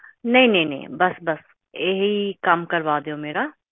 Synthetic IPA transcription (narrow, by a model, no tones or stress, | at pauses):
nə̃ĩːnə̃ĩnɛ̰̃bəsbəs | eɦiːkəmkəɾʋaːd̪eːoːmeːɾaː